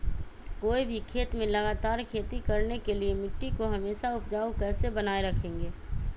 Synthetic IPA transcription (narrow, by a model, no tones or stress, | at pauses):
koːibʱikʰeːt̪mẽləɡaːt̪aːɾkʰeːt̪ikɐɾnekeliemɪʈːikoɦɐmeːʃaʊpd͡ʒaːukɛːsebənaːeɾɐkʰẽːŋɡeː